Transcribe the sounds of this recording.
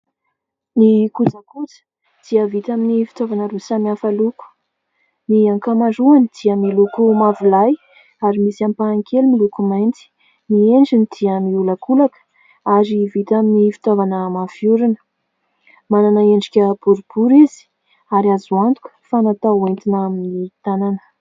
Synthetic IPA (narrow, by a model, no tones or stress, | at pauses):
nikut͡sakut͡sə̥ | d̪̥iəvit̪aminifi̥t̪ovanəɾusamafaluku̥ | niaŋkamaɳɖ͡ʐuanid̪̥iəmilukumavilaj | aɾimisiampaːŋkʰelumilukumajnt͡si̥ | mieɳd͡ʒinid̪̥iəmiuləkulakə̥ | aɾivit̪aminifi̥t̪ovanəmafiuɾunə̥ | mananaeɳɖ͡ʐikʲəb̥uɾub̥uɾizi̥ | aɾiazwant̪u̥kə̥fanat̪awent̪inaminit̪ananə̥